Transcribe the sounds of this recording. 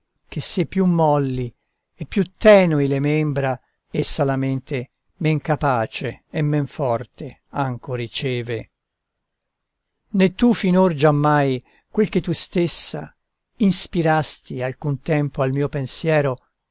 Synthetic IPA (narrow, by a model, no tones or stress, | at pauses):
kesːepːjumːɔlːi | ɛpːjut̪ːɛːnuilemɛmbɾa | esːalament̪e | mɛŋkapaːt͡ʃeːmːɛɱfɔrt̪e | aŋkorit͡ʃɛːve | net̪ːufinord͡ʒamːaj | kwelk̟et̪ːust̪esːa̰ | inspiɾast̪ialkunt̪ɛmpoalmiːopensjɛːɾo